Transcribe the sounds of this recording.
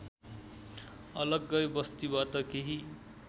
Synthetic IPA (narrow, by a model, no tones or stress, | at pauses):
ʌlʌɡːʌjbʌst̪ibat̪ʌkeɦi